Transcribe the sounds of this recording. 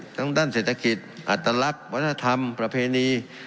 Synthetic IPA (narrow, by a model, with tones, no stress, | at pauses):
t̪ʰaː˧˥˨ŋd̪aː˥˨nseː˨˩t̪ʰːa˧ki˨˩t̪̚ʔa˨˩t̪ːɾa˧la˦˥p̚wa˦˥t̪ʰːna˧t̪ʰa˧mpɾa˧pʰeː˧niː˧